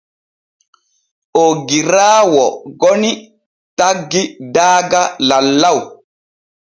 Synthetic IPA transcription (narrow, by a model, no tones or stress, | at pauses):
ʔoɡiɾaːwɔɡɔni | taɡːidaːɡalalːaw